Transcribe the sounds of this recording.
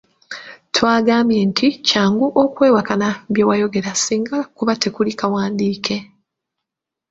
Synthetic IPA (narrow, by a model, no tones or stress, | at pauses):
twaːɡaːmje̞ntʰicaːŋɡuʔokwe̞ːwakanaβje̞wajo̞ɡe̞ɾasiːŋɡakuβatʰe̞kulikawaːndiːkʰe̞